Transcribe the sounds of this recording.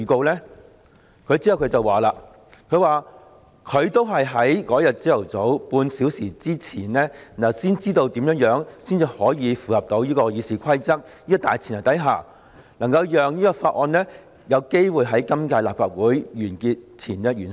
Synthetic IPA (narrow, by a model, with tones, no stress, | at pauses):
ko˧wlɛː˥ | kʰɵ˨˧ɥt͡si˥hɐ˨wkʰt͡sɐ˨˩waː˨laː˧ | kʰɵ˨˧ɥwaː˨ | kʰɵ˨˧ɥt̪o˥wɦɐ˨jɦɐ˨˥jkɔː˨˥jɐ˨t̚t͡siː˥jɐ˨˩wt͡so˨˥wpuː˧nsiː˨˥wsiː˨˩t͡siː˥t͡sʰiː˨˩nlɛː˥˨nɐ˨wsiː˥nt͡siː˥t̪o˧wt̪i˨˥mjœː˨˥ŋjœː˨˧˥ŋsiː˥nt͡siː˨˩hɔː˨˥jiː˨˧fuː˨hɐ˨p̚t̪o˨˧wjiː˥kɔː˧jiː˨˧siː˨˧kʰɐ˥jt͡sɐ˥k̚ | jiː˥kɔ˧t̪a̰ː˨jt͡sʰi˨˩nɐ˨˩t̪ɐ˨˥jɦaː˨˩ | nɐ˨˩ŋkɐ˧wjœː˨ŋjiː˥kɔː˧faː˧t̚ʔɔː˧nlɛː˥ | jɐ˨˧wke˥jwuː˨˧jɦɐ˨˥jkɐ˥mkaː˧jlaː˨p̚faː˧t̚wuː˨˥jjyː˨˩nkiː˧t̚t͡sʰiː˨˩nɛː˥jyː˨˩n